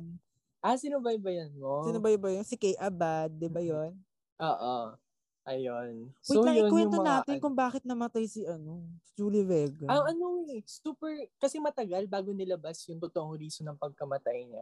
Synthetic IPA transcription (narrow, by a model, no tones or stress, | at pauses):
ʔasɪnʊbajbɐjɐnmosɪnbajbɐjonsɪkɛjʔɐbad̪̚ːɪbajon | ʔoːʔo̰ | ʔɐjonsɐoajokwɛnʊŋonaːt̪ɪnkʊŋbaːkɪt̪̚nɐmɐt̪ajsɪʔɐno̞d͡ʒuːlɪvɛːɡɐaɐnoɛsuːpɛɹkɐsɛmɐt̪ɐɡalbaːɡonɪlɐbasjʊŋt̪ot̪oʔoŋɾiːsonɐŋpɐɡ̚kɐmɐt̪ajɲa